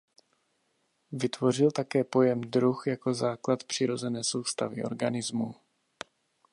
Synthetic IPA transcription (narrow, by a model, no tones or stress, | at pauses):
vɪt̪vo̞r̝ɪlt̪akɛːpo̞jɛmd̪ɾuxjako̞zaːklat̪pr̥ɪɾo̞zɛnɛːso̞wst̪a̰vɪʔo̞̰ɾɡanɪzmu